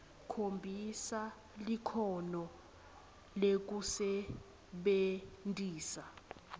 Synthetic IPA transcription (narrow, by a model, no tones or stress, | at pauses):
kʰombʱisa | likʰɔnɔ | lek̬usɛ | ɓentʼiːsa